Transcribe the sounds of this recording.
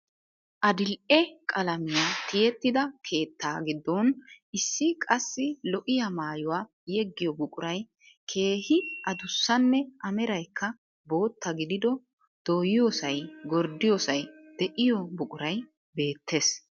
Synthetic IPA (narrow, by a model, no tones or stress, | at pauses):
ʔɐd̪ɪlʔɛkʼɐlɐmɪjat̪ɪjɛt̪ːɪd̪ɐkʰe̞ːt̪ːaːɡɪd̪ːɔnʔɪsːɪkʼɐsːɪlɔʔɪjɐmaːjʊwaː | jɛɡːɪjɔbʊkʼʊɾɐj | kʰe̞ːhɪʔɐd̪ʊsːɐnːɛʔɐmɛɾɐjkːɐ | bo̞ːt̪ːɐɡɪd̪ɪd̪ɔ | d̪̥oːjɪjoːsɐjɡɔɾd̪ːɪjoːsɐjd̪̥ɛʔɪjɔbʊkʼʊɾɐj | be̞ːt̪ʰːe̞ːs